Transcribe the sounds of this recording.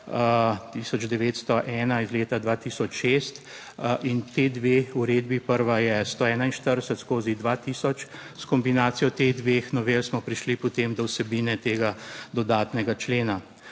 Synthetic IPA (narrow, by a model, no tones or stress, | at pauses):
t̪iːsɔd͡ʒd̪ɛʋeːt̪st̪ɔʔɛːnaizleːt̪ad̪ʋaːt̪iːsɔt͡ʃʃeːst̪ | ʔint̪ed̪ʋeuɾeːd̪bipəɾʋajɛst̪oɛːnainʃt̪əɾd̪əsət̪skoːzid̪ʋaːt̪iːsɔt͡ʃskɔmbinaːt̪sijɔt̪eɣd̪ʋexnɔʋelsmɔpɾiʃlipɔt̪emd̪ɔwsɛbiːnɛt̪eːɡad̪ɔd̪aːt̪nɛɡat͡ʃleːna